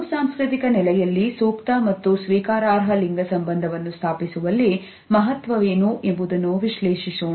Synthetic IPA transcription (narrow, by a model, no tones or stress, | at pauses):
saːmskɾit̪ikɐnɛlɛjɐlːisuːkt̪ɐmɐt̪ːusʋiːkaːɾaːɾɦɐliŋɡɐsɐmbɐnd̪ʱɐʋɐnːust̪ʰaːpisuʋɐlːi | mɐɦɐt̪ʋɐʋeːnuʔembud̪ɐnːuʋiʃleːʃisoː